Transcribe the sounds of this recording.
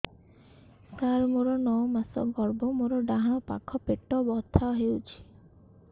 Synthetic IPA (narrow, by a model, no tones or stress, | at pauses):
t̪aɾmoɾɔnɔwmasɔ̰ɡɔɾbɔmoɾɔɖaɦãɔpa̰kʰɔpeʈɔbɔt̪ʰaɔɦewt͡ʃʰi̥